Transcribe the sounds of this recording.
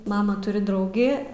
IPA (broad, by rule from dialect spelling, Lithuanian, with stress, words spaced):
ˈmɑːmɐ ˈtʊrʲɪ ˈdrɐʊɡʲɪ